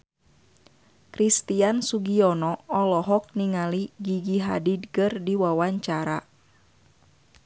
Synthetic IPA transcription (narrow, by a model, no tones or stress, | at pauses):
kɾist̪iansuɡiɔnɔɔlɔɦɔk̚niŋaliɡiɡiɦa̰didkɨrdiwawaɲt͡ʃaɾa